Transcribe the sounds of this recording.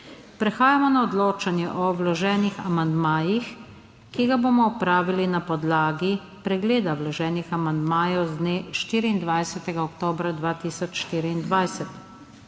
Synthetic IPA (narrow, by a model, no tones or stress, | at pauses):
pɾɛxaːjamɔnaɔd̪loːt͡ʃanjɛʔɔwlɔʒɛːnixa̰mand̪maːjix | kiɡaboːmɔɔpɾaːʋilinapɔd̪laːɡi | pɾɛɡleːd̪awlɔʒɛːnixamand̪maːjɔwzd̪neːʃt̪iːɾiːnd̪ʋajsɛt̪ɛɡaɔkt̪oːbɾad̪ʋaːt̪iːsɔt͡ʃʃt̪iːɾiːnd̪ʋajsɛt̪